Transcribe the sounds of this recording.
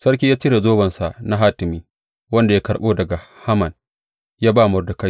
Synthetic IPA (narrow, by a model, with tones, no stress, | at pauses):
sɐ˦rk̬ʲiː˦jaː˦t͡ʃi˦ɾa˨zoː˦bɐ˨nsa˨ʔna˦ɦaː˦tɪ˨miː˦ | wɐ˦nda˨ja˦kɐ˨ɽɓoː˦dɐ˨ɡa˨ha˦mɐ˨n | jaː˦baː˦˨mʊ˨rdʊ˨ka˦j